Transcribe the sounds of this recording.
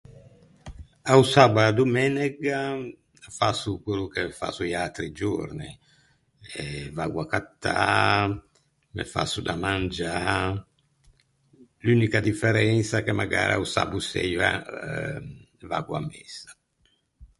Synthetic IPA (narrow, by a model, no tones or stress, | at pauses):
ausabad̪umɛnɛɡa | fasukelukefa̰suialt̪ɾid͡ʒo̰ɾni | ɛvaɡwakat̪ːaː | mḛfa̰sːud̪amand͡ʒa | lynikad̪ifɛɾɛnsakemaɡa̰ːɾa̰usa̰busɛ̰jva̰ | vaɡwua̰mːɛsḁ